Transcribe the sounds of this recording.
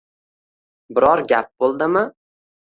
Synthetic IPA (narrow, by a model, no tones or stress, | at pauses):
bɪɾɒɾɡʲap̚b̥olˠd̪ɪmɪ